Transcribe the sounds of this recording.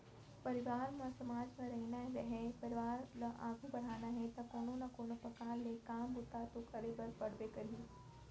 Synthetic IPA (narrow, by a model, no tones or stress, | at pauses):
pɐɾɪʋaːɾmãsɐmaːd͡ʒmẽɾɛɦnaɦɾɛɦɛpɐɾɪʋaːɾlaʔa̰ːɡʱubɐɽ̤aːnaɦɛt̪ɐkoːnonɐkoːnopɐkaːlekaːmbʊt̪at̪okɐɾebɐɾpɐɽ̤bekɐɾiː